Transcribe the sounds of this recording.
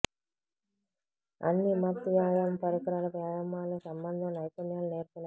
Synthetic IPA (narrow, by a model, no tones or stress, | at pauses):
ɐ̰nːimɐt̪ːuʋaːjampɐɾikɐɾaːlɐpɾaːjamːaːlusɐmbɐnd̪ʱɐmnɐjkɐnjaːluneːɾk̪una